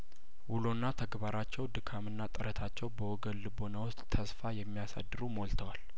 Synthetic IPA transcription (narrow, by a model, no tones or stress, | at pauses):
wulo̞nːat̪ʰəɡbaɾat͡ʃːɛwd̪ɨkʰamɨnːat̪ʼɨɾət̪ʰat͡ʃːɛwbəwɔɡəlːɨbo̞nawɔst̪ʼt̪ʰəsfajɛmːijasa̰d̪ːɨɾumoɔlt̪ʰəwal